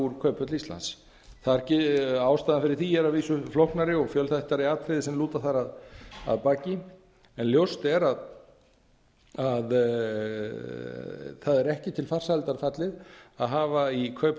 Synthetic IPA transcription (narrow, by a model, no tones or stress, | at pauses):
uɾkʰœːɥpʰœt̪list̪la̰ns | θaðɾcɪaːwst̪aːðnfɪɾɪɾ̥θiɛɾaðviːsʏflɔhknaɾɪɔɣfjœlθaht̪ːaɾiaːt̪ʰɾɪðɪsɛmluːt̪aθaɾaða̰ðpaːcɪ | ɛnljowst̪ɛɾað | að | θaðɛɾɛhcɪt̪ʰɪlfar̥salt̪aɾfat̪lɪðaðɦaːvaikʰœɥpʰ